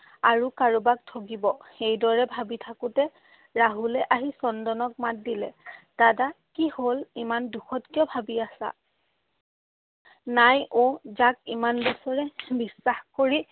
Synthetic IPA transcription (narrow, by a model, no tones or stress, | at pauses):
aɹukaɹubak̚tʰok̬ibɔxejdɔɹɛbʱabitʰakʊtɛ | ɹaɦulɛʔaɦisɔndɔnɔk̚mat̚dilɛd̥adakiholimanduxɔtkijɔbʱabiasa̰ | najʔozak̚imanbɔsɔɹɛbisːaxkoɹi